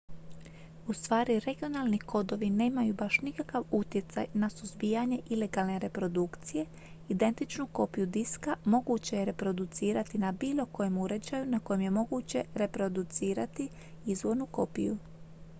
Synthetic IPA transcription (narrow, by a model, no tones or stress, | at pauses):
ust̪ʋaːɾiɾe̞ɡio̞nalˠniko̞d̪o̞ʋine̞ːmajubaʃnikakaʋut̪je̞t̪sa̰jnasuzbijaɲe̞ʔile̞ɡaːlˠne̞ɾe̞pɾo̞d̪ukt̪sije̞ | id̪e̞nt̪it͡ʃnuko̞pijud̪iskamo̞ɡut͡ɕejeɾe̞pɾo̞d̪ut̪siːɾat̪inabiːlˠo̞ko̞jemuɾe̞d͡ʑajunako̞jemje̞mo̞ɡut͡ɕe̞ɾe̞pɾo̞d̪ut̪siːɾat̪i | izʋo̞ɾnuko̞̰pḭjṵ